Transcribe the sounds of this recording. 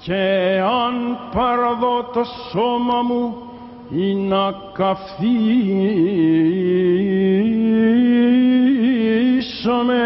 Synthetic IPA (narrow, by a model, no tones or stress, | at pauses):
ceanpɐɾɐðot̪ɐsomɐmu | inakafθi | isɐme